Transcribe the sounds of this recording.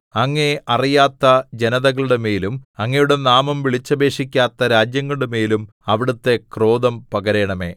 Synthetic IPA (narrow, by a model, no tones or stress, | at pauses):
ɐŋːe̞ʔɐrijaːt̪ːɐd͡ʑe̞nɐðɐɣɐɭuɽe̞me̞ːlumɐŋːɐjuɽe̞naːmɐmʋiɭit͡ɕːɐbe̞ːʂikʲːaːt̪ːɐɾaːd͡ʑjɐŋːɐɭɽemeːlum | ɐʋiɽɐt̪ːe̞kro̞ːd̪ɐmpɐɣɐɾe̞ːɳɐme̞̰ː